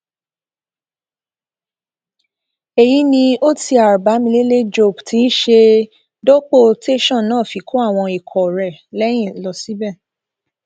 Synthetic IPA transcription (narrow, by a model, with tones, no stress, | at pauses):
e˨ji˨˦nĩ˧o˦tʰi˧a˨ɾba˨˦mĩ˧le˦le˦d͡ʒo˦˨btʰi˨˦ʃe˧ | do˦k͡po˦˨te˦ʃɔ̃˦˨nãː˦˨fi˨ko˦a˦˨w̃ɔ̃˧i˨kʰɔ˨ɾɛ˨lɛ˦j̃ĩ˦˨˦lɔ˨si˦bɛ˦˨